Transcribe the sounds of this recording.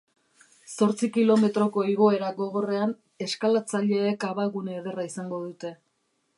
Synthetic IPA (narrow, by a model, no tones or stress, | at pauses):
so̞ɾt͡sikilo̞me̞t̪ɾo̞ko̞iɣ̞o̞e̞ɾaɡo̞ɣo̞re̞an | e̞skalat͡saʎe̞ːkaβaɣuneːðe̞raisaŋɡo̞ðut̪e̞